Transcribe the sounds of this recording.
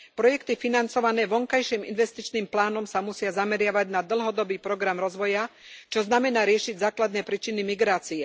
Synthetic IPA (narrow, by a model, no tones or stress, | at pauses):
pɾɔjɛkt̪ifinant͡sɔʋanɛːʋɔŋkajʃiːmḭnʋɛst̪it͡ʃniːmplaːnɔmsamusɪazamɛɾɪaʋaɟnad̪l̩ˠɦɔd̪ɔbiːpɾɔɡɾamɾɔzʋɔjat͡ʃɔznamɛnaːɾɪɛʃiɟzaːklad̪nɛːpɾiːt͡ʃinimiɡɾaːt͡siɛ